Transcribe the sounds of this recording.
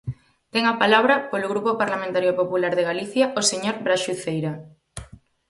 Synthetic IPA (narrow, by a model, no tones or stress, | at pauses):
t̪ɛŋapalaβ̞ɾɐpolʊɣɾupopaɾlamẽnt̪aɾjopopulaɾðeɣaliθjaʔoseɲoɾbɾaʃuθejɾa